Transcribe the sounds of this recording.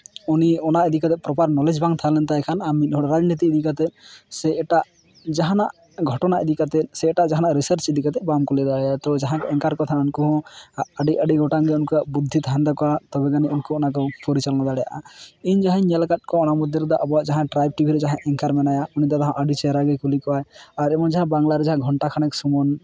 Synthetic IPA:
uniɔnaʔɛd̪ikat̪ɛpɾɔpaɾnɔled͡ʒbaŋt̪ʰalɛnt̪aɛkʰanamit̪̚ˀɦɔɽɔɾad͡ʒnit̪̬iːd̪ikat̪ɛt̪̚sɛɛʈaʔ | d͡ʒaɦanaʔ | ɡʱɔʈɔnaʔid̪ikat̪ɛt̪̚sɛːʈaʔd͡ʒaɦanaʔɾisəɾt͡ʃɛd̪ikat̪ɛbamkɔlɛd̪aat̪ɔd͡ʒaɦãkɛŋkaɾkɔt̪ʰaunkuɦɔ̃aɖiʔaɖiɡʱɔʈaŋɡɛunkabud̪ʱːit̪and̪akɔwat̪ɔbɛɡaniunkɔɔnakɔpʰɔɾit͡ʃalnad̪aɽɛja̰ʔaiɲd͡ʒaɦãɲɛlkat̪̚kɔɔnamud̪ʱjɔɾɛd̪ɔʔɔbɔaʔd͡ʒaɦãʈɾajb̚ʈibʱiɾɛd͡ʒaɦãʔɛŋkaɾmɛnajaɔnid̪ɔt̪aɦãʔaɖit͡ʃɛɾaɡɛkulikɔajaɾɛmɔnd͡ʒaɦãbaŋɡlaɾɛd͡ʒaɦãɡʱɔɳʈakʰanɛksumɔn

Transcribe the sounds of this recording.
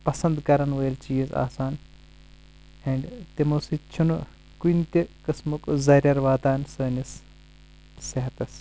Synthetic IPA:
pɐsɐnd̪kɐɾɐnʋɐjilt͡ʃiːza̰ːsaːn | ẽːɳɖt̪imɐsit͡ʃʰunu | kunʲt̪ikɐsmukzɐɾʲɐɾʋaːd̪aːnsɐːnis | sɐɦɐt̪ɐs

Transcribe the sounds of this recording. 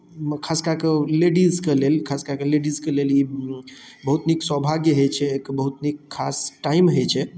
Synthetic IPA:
kʰaskakeleɖizkelelkʰaskakeleɖizkeleli | bəɦut̪niksɔɦbʱaɡjəɦet͡ʃʰɛːkbəɦut̪nikʰːasʈaimɦet͡ʃʰɛ

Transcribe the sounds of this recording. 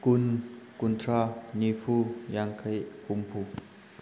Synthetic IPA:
kunkunt̪ʰɾanipʰujaŋkʰajpumpʰu

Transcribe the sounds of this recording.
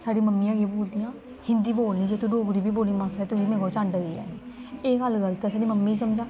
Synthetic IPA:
saːɖiːməmːijãːkeboːld̪ijãː | hɪ̃nd̪iːboːlniːd͡ʒeːt̪uɖoːɡɾiːbiːboːlniːmãːsɛːt̪ʊsiːmẽːɡaːt͡ʃãɳɖea̰ːeː | eːɡəlɡəlt̪ɛːsaːɖiːməmːiːiːsəmd͡ʒãː

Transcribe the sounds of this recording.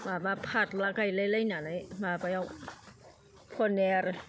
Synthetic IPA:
maːbapʰat̪̚lakajlajlajnanajmabajaw | pʰonɛɾ

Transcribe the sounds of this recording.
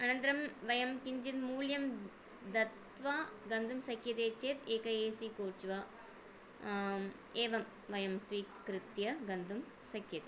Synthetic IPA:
ɐnɐnt̪ɐɾɐmʋɐjɐmkiɲd͡ʒit̪muːljɐm | d̪ɐt̪ | ʋaːɡɐnd̪ʱumsɐkjɐt̪eːt͡ʃeːt̪eːkɐeːsikoːɾt͡ʃuʋaː | eːʋɐm | ʋɐjɐmsʋiːkɾɪt̪jɐɡɐnd̪ʱum | sɐkʰjɐt̪i

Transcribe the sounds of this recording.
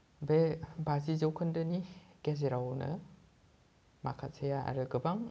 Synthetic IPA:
bebazizɯwkʰɯndɯniɡ̥ezeɾawnɯ̰ | makʰat̚sʰejaa̰ɾɯɡɯbaŋ

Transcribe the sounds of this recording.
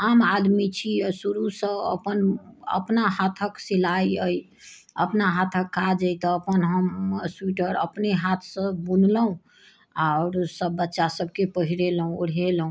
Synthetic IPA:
amad̪mit͡ʃʰisuɾusə̃ə̰pənə̰pnaɦat̪ʰəksilajəj | əpnaɦat̪ʰəkʰːad͡ʒəjt̪ɔːpənɦəmswiʈəɾə̰pneɦat̪ʰsə̃bunləɦũ | aʊɾsəbːətːʃasəb̚ʱkepəɦiɾelɦũuɽ̤elɦũ

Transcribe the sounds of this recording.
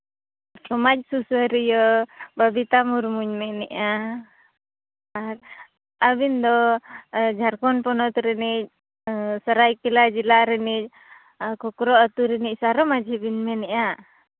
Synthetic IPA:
kɔmac̚susəɾijɔbabit̪amuɾmuɲmɛnɛʔa | ɾ | abind̪ɔ | d͡ʒʱaɾkɔnpɔnɔt̪ɾɛnic̚ˀ | səɾajkɛlad͡ʒilaɾɛnic̚ˀ | kɔkɾɔat̪uɾɛnic̚saɾɔmad͡ʒʱibinmɛnɛʔa

